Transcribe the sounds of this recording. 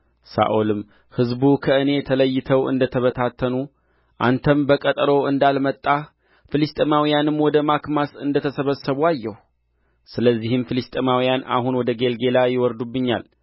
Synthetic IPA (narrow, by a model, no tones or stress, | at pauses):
sa̰ʔolɨm | hɨzbukʰəʔɨne̞t̪ʰələjːɪt̪ʰəwʔɨ̰nd̪ət̪ʰəβət̪ʰat̪ʰːənu | ʔa̰nt̪ʰəmbəkʼət̪ʼɾo̞ɨnd̪almət̪ʼːa | fɨlist̪ʼemawijanɨmwɔd̪əmakmasɨnd̪ət̪ʰəsəβəsːəβuajːɛhu | sɨləzːihɨmfɨlist̪ʼemawijana̰hunwɔd̪əɡe̞lɡe̞lajɪwɔɾd̪ubːɨɲːa̰l